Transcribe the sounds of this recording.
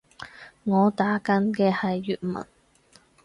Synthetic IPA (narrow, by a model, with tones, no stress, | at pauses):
ŋɔː˨˧t̪aː˨˥kɐ˨˥nkɛː˧hɐ˨jːyː˨t̚mɐ̰˨˩n